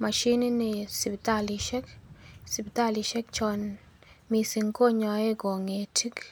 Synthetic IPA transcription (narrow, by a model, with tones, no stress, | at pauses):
ma˨ʃi˦ni˦nɪ˨si˨pta˦li˨ʃɛ˦ksi˨pi˨t̪a˦li˨ʃɛ˦k̚t͡ʃɔ˨n | mi˨si˨ŋko˦ɲɔ˨e˦ɡo˨ŋe˨tʰi˦k